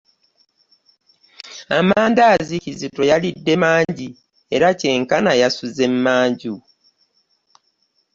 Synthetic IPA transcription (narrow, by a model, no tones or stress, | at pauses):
amaːndaːzicizito̞jalidːe̞maːɲɲɟi | e̞ɾace̞ːŋkanajasuze̞mːaːɲɟu